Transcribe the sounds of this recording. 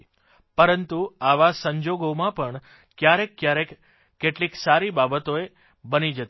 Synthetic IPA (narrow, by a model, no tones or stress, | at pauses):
pəɾənt̪uaʋasəɲd͡ʒoɡomãpəɳ | kjaɾekːjaɾekː | eʈliksaɾibabət̪oe | bənid͡ʒət̪